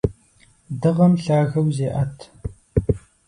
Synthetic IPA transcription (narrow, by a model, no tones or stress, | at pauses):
dɨʁɐmɬaːɣɐwzeːʔɐtʰ